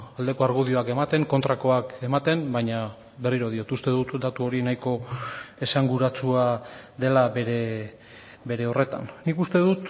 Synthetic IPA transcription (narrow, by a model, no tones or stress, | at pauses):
ald̪e̞ko̞aɾɣuðio̞ake̞mat̪e̞ŋko̞nt̪ɾako̞ake̞mat̪e̞mbaɲa | βe̞riɾo̞ð̞io̞t̪ust̪e̞ðut̪d̪at̪uo̞ɾinajko̞e̞saŋɡuɾat͡suaðe̞laβe̞ɾe̞ | be̞ɾe̞o̞re̞t̪a̰nːikust̪e̞ðut̪